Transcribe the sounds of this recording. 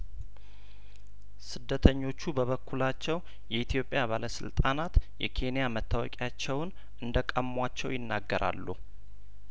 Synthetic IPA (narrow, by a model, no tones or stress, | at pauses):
sɨd̪ːət̪ʰəɲːo̞t͡ʃːubəβəkʰːulat͡ʃːɛw | jɛʔit̪ʰjo̞pʼjaβaləsɨ̰lt̪ʼanat̪jɛkʰe̞nijamət̪ʰːawɔ̰kʼjat͡ʃːɛwn | ʔɨnd̪əkʼəmːwat͡ʃːɛwjɪnːa̰ɡːəɾʔa̰lːṵ